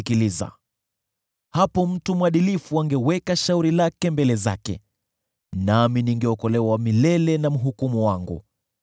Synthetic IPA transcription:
kiliza̰ | hapɔm̩tumwaɗilifuaŋɡɛwɛkaʃauɾilakɛmbɛlɛza̰kɛ̰ | naminiŋɡɛɔkɔlɛwawamilɛlɛnam̩ɦukumuwaŋɡṵ

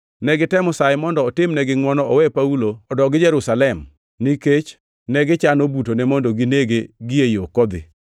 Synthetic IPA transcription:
nɛɡɪtɛmɔsajɪmɔndɔːtɪmnɛɡɪŋwɔnɔɔwɛpauloɔdɔɡɪd͡ʒɛɾusalɛm | niket͡ʃ | nɛɡɪt͡ʃanobutonɛmɔndɔɡineɡeɡɪjejokɔd̪ɪ̰

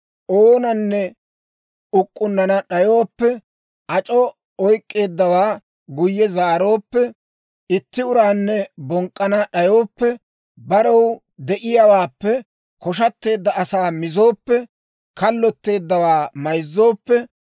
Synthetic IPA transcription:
ʔoːnɐnːɛ | ʊkʼːʊnːɐnɐɗɐjo̞ːpːɛ | ʔɐt͡ʃʼɔ | ɔjkʼːe̞ːd̪ːɐwaː | ɡʊjːɛzaːɾo̞ːpːɛ | ɪt̪ːɪʊɾaːnːɛbɔŋkʼːɐnɐɗɐjo̞ːpːɛ | bɐɾɔw | d̪ɛʔɪjawaːpːɛ | kɔʃɐt̪ːe̞ːd̪ːɐɐsaːmɪzo̞ːpːɛ | kɐlːɔt̪ːe̞ːd̪ːɐwaːmɐjzːo̞ːpːɛ

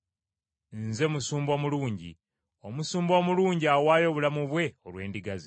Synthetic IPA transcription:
nze̞musuːmbo̞ːmuluːɲɟḭ | o̞musuːmbo̞muluːɲɟiawaːjo̞βulamuβwe̞olwe̞ːndiɡazi

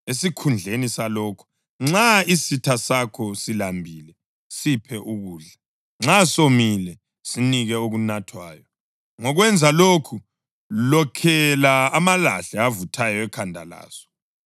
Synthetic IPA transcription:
esikʰund͡ɮʱenisalɔːkʰu̥ | ŋ͡ǁaisitʰasakʰɔsilambʱiːlɛ | sipʰɛʔuɣuːɮa | ŋ͡ǁasomilɛ | siniɣɛoɣunatʰwaːjɔ | ŋɔɣwɛnd͡zʱaloːkʰu | lɔkʰɛlaːmala̰ɬɛavutʰajɔɛkʰandʱa̰la̰ːsɔ̥

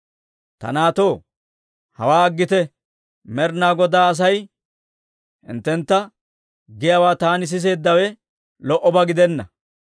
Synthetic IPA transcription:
t̪ɐ̰naːt̪o̞ː | hɐ̰waːɐɡːɪt̪ɛ | mɛɾnaːɡɔd̪aːɐs̬ɐj | hɪ̰nt̪ːɛnt̪ːɐ | ɡɪjawaːt̪aːnɪs̬ɪs̬e̞ːd̪ːɐwɛ | lɔʔɔbɐɡɪd̪ɛnːɐ

